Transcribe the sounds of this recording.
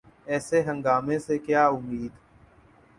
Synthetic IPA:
ɛːseɦə̃ŋɡaːmẽsekjaːʊmiːd̪

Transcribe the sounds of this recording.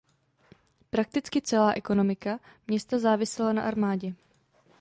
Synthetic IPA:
pɾak̚t̪ɪt͡skɪt͡sɛlaːʔɛko̞no̞mɪka | mɲɛst̪azaːvɪsɛlana̰ʔaɾmaːɟɛ

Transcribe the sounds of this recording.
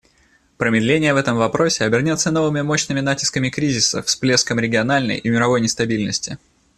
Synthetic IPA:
pɾəmʲɪd̪lʲenʲɪjəvɛt̪əmvɐpɾo̞sʲɪɐbʲɪrnʲot̪sːəno̞vɨmʲɪmo̞ɕnɨmʲɪnatʲɪ̥skəmʲɪkɾʲizʲɪsə̰fsplʲe̞skəmɾʲɪɡʲɪɐnalʲnə̰jʔimʲɪɾɐvo̞jnʲɪst̪ɐbʲilʲnəsʲtʲɪ

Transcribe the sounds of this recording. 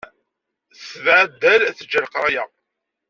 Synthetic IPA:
svʕd̪ːælæθəd͡ʒəɾqɾˤɑja

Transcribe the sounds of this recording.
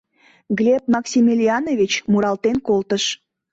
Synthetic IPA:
ɡlʲep̚mɑksʲimilʲiɑnovʲit͡ɕmuɾɑlt̪enkolt̪əʃ

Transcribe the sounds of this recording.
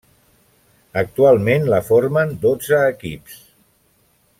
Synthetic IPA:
ək̚t̪ualˠmenləfoɾmənd̪od͡zəːkḭps

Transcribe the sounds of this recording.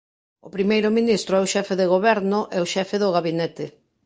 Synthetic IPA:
ʊpɾimejɾʊminist̪ɾʊɛʊʃɛfeðeɣoβɛɾnʊʔɛʊʃɛfɪðʊɣaβinɛt̪ɪ

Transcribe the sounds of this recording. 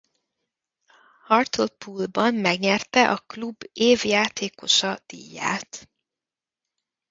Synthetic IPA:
hɒrt̪olpʰuːlbɒmːɛɡɲɛrt̪ɛʔɒklubeːvjaːt̪eːko̞ʃɒd̪̥ḭːjːa̰ːt̪

